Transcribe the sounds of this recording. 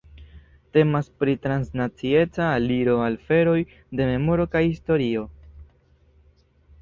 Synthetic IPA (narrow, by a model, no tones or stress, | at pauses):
te̞maspɾitɾansnat͡sie̞t͡saːliɾo̞alfe̞ɾo̞j | de̞me̞mo̞ɾo̞kajhisto̞ɾio̞